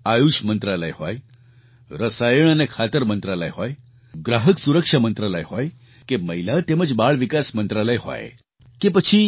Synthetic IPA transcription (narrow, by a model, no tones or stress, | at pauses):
ajuʃmənt̪ɾaləjɦo̰j | ɾəsajəɳ̃ənekʰat̪əɾmənt̪ɾalə̰jɦoj | ɡɾaɦəksuɾəkʂamənt̪ɾaləjɦoj | keməɦilat̪eməd͡ʒbaɭʋikasmənt̪ɾaləjɦo̰j | kepət͡ʃʰi